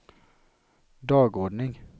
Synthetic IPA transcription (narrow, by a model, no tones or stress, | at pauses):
d̪ɑːɡɔɖnɪŋ